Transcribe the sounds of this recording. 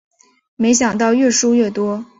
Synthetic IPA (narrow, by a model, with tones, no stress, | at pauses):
me˧˥ɪɕ̬jɑ˨˩ŋt̪ɑ˥˧ʊɥɛ˥˩ʂu˥ɥɛ˥˩t̪wɔ˥